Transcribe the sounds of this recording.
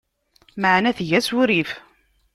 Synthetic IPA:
maʕnæθʝæsuɾif

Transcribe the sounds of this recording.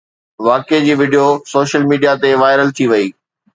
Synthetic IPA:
ʋaːked͡ʑiːʋɪɖijosoːʃəlmiːɖijat̪eʋaːɪɾəlt̪ʰiʋɐiː

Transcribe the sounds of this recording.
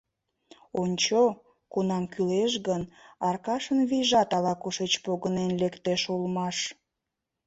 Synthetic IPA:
onʲt͡ɕo | kunɑmkʰyleʃɣənɑrkɑʃənβiʒɑt̪ɑlɑkuʃet͡ɕpoɣənenlekt̪eʃulmɑʃ

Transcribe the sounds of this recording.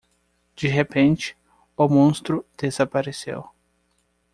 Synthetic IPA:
d͡ʒiɦepẽnt͡ʃɪ̥ | ʊmõst̪ɾʊd̪̥ezapaɾesḛw

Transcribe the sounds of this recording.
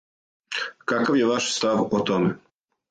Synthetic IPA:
kakaʋjeʋaʃst̪aʋot̪ome

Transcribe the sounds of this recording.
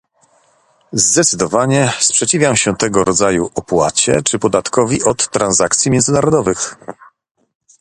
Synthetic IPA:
zd̪ɛt̪sɘd̪ɔvaɲɛspʂɛt͡ɕivʲjawɕɛt̪ɛɡɔɾɔd̪zajuɔpwa̰t͡ɕɛ̰t͡ʂɘpɔd̪at̪kɔvʲiʔɔt̪ːɾanzakt̪sʲjimjɛnzɘnaɾɔd̪ɔvɘx

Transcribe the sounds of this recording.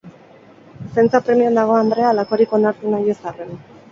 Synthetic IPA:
se̞nt͡sapɾe̞miond̪aɣ̞o̞and̪ɾe̞alako̞ɾiko̞naɾt̪unajesaren

